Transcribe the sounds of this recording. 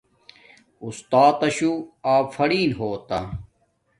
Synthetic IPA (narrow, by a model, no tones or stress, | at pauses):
ust̪aːt̪ɐɕuaːfɐɽiːnɦoːt̪ɐ